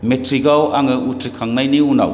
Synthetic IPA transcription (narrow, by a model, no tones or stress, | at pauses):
metʰɾiɡawaŋɯutʰɾikʰaŋnajniuna̰w